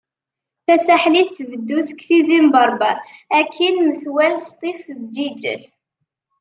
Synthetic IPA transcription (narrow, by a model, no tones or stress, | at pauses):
θæsæħliθθvəd̪ːusə̥kθizimbɑɾˤbɑækʰːinməθwælst̪ˤifðəd͡ʒid͡ʒə̰l